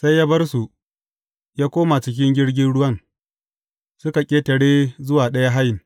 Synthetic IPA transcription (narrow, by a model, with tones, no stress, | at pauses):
sa˦jːaː˦bɐ˦rsu˨ | jaː˦kʷoː˦ma˨t͡ʃɪ˦k̬ʲɪ˦ŋɡʲɪ˦ɽɡʲɪ˦nɽʊ˦wɐ˦n | sʊ˦ka˨kʲʼeː˦tɐ˨ɽeː˦zʊ˦waː˨ɗɐ˦ja˦ɦa˦jɪ˨ŋ